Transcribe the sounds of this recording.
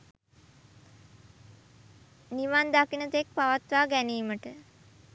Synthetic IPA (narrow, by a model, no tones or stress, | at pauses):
niʋand̪akinət̪ek̚paʋat̪ʋaːɡæniːməʈə